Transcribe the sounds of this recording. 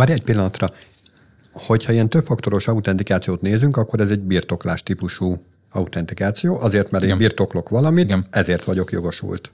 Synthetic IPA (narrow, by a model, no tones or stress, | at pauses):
maːɾɛc̚pilːɒnɒt̪rɒ | ho̞chɒijɛnt̪øpfɒkt̪o̞ɾo̞ʃɒut̪ɛnt̪ikaːt̪sijoːt̪neːzyŋkɒkːo̞ɾɛzɛɟbirt̪o̞klaːʃt̪iːpuʃuː | ɒut̪ɛnt̪ikaːt̪sijoːʔɒzeːrt̪mɛrt̪eːmbirt̪o̞klo̞kʋɒlɒmitɛzeːrt̪ʋɒɟo̞kjo̞ɡo̞ʃṵlt̪